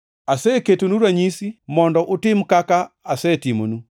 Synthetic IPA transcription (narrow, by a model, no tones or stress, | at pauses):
asɛketunuɾwaɲisimɔndɔʔotim̩kaka | asɛtimunu